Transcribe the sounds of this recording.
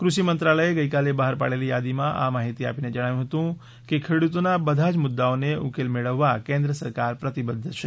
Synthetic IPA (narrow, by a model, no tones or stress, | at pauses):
kɾusimənt̪ɾaləeɡəikalebaɦəɾpa̰ɽelijad̪imãʔa̰maːɦit̪ia̰ːpined͡ʒəɽ̃aːjũɦot̪ũ | kikʰeɽut̪onabəd̪ʱad͡ʒmʊd̪ːaõneukelmeɽəʋːakẽnd̪ɾəsəɾkaɾpɾət̪ibəd̪ʱːət͡ʃʰe